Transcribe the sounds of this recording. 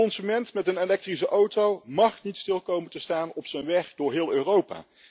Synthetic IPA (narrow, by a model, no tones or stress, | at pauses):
ɔnsymɛntmɛtənelɛk̚trisəʔowtowmɑχnitstɪlˠkowməntəstaːnɔpsənʋɛχdʊːɹɦɪːlˠøːrowpa̰ː